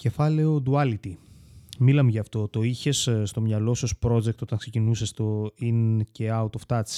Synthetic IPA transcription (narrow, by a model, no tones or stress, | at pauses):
ce̞fɐle̞od̪uɐlit̪imilɐmeʝɐːft̪o̞t̪o̞içe̞sst̪o̞mɲɐlo̞sɐspɾo̞d͡zek̚t̪o̞t̪ɐŋksecinusest̪o̞ince̞ɐut̪oft̪ɐt͡s